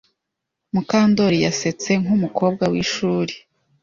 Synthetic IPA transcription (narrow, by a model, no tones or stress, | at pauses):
mukaːndo̞ɾijase̞t͡se̞ŋumukʰo̞ːb̚ɡawiʃuːɾe̥